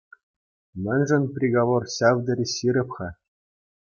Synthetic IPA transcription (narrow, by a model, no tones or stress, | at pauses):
mʲɘ̆nʲʐɘ̆nʲprʲiɡoʋorɕɑvd̪ɘ̆ɾʲiɕiɾʲɘ̆pχɑ